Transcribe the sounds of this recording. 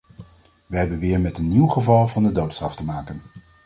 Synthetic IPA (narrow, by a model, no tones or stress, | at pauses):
ʋəɦɛbənʋɪːɹmɛtənːiwχəvɑlˠvɑndədowtstrɑftəmaːkən